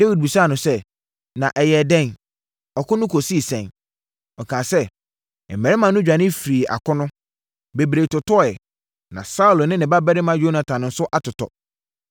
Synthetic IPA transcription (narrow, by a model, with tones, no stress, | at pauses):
d̥e˦wi˨d̚bi˨sa˦˨nʊ̃˨sɛ˦ | nã˨ʔɛ˨jɛ˨dɛ̃˦˨n | ɔ˨kʰʊ˦nʊ̃˦kʰo˨si˦˨sɛ̰̃˨n | ɔ˨kʰãː˨sɛ˦˨ | mɛ̃˨ɾɪ˦mã˨nʊ̃˦d͡ʑᶣa˨nɪ̃˦fɾi˨ʔa̰˨kʰʊ˦nʊ̃˦ | be˨bɾe˨tʊ˨tɔ˦˨ɛ˨ | nã̰˨sa˦u˨lnɪ̃˦nɪ̃˨ba˦bɛ˦ɾɪ˦mã˦jo˦nã˨tʰã˨ñ˨n̩˦sʊ˦ʔa˨tʰʊ˨tʰɔ̰˨